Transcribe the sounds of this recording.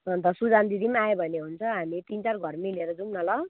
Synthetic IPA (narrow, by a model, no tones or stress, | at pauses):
ʌnt̪ʌsud͡zand̪id̪imajebʱʌneɦunt͡sʰʌɦamit̪int͡sarɡʱʌrmileɾʌd͡zumnʌlʌ